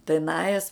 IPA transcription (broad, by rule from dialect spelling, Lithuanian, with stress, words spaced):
tɐɪ ˈnɑːjɛs